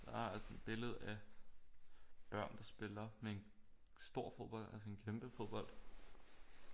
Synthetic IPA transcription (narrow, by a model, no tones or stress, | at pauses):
d̥ɑæɐælsə̥b̥e̝ləð̞̩ˠæ | b̥ɶɐ̰nd̥ɑ̈sb̥e̝lɐmee̝n | sd̥o̝ɐ̰fo̝ðˠb̥ɒ̽l̰d̥ælsəe̝nkʰemb̥əfo̝ðˠb̥ɒ̽l̰d̥